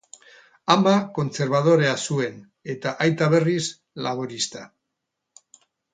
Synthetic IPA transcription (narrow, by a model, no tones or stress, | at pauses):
ambako̞nt͡se̞ɾβ̞að̞o̞ɾe̞asue̞n | e̞t̪aʔajt̪aβe̞ris | laβ̞oɾist̪a